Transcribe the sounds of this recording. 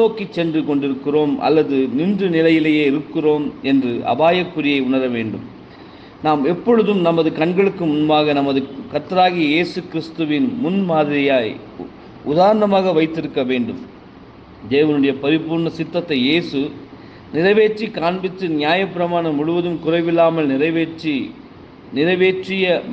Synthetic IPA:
noːkit͡ʃːɛndrɯkɔɳɖɪɾɯkːɪroːmɐ̰lːɐðɯnɪndrɯnɪlɐjɪlɐjeːɪɾɯkːɪroːmɛndrɯʔɐ̰baːjɐkːʊɾɪjɐɪʊɳɐɾɐʋeːɳɖɯ̰m | naːmɛpːɔɻɯðɯmnɐmɐðɯkɐɳɡɐɭɯkːɯmʊnbaːɣɐnɐmɐðɯkɐt̪ːɐɾaːɣɪjɐjeːsɯkɪɾɪst̪ɯʋɪnmʊnmaːðɪɾɪjaːj | ʊðaːɾɐɳɐmaːɣɐʋɐɪt̪ːɪɾɯkːɐʋeːɳɖɯm | d̪eːʋɐnɯɽɐjɐpɐɾɪpuːɾɳɐsɪt̪ːɐt̪ːɐɪeːsɯ | nɪrɐʋeːʈːikaːɳbɪt̪ːɯnɪjaːjɐpːɪɾɐmaːɳɐmːʊɻɯʋɐðɯmkʊrɐɪʋɪlːaːmɐlnɪɾɐi | nɪɾɐʋeːʈrɪjɐ

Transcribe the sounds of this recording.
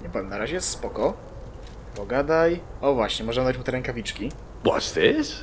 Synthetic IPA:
ɲɛpɔvʲɛmnaɾaʑɛjɛst̪spɔkɔ | pɔɡad̪ajɔvwaɕɲɛmɔʐɛnad̪at͡ɕmut̪ɛɾɛŋkavʲit͡ʂkʲi | bwɔ̰st̪ɪs

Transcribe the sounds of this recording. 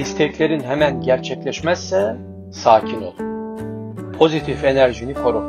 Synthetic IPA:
ist̪ʰɛclʲe̞ɾinɦɛmænɟæɾt͡ʃʰɛclʲɛʃmɛsːɛ | saːcʰino̞̰lˠu | pʰo̞zit̪ʰife̞næɾʒinikʰo̞ɾu

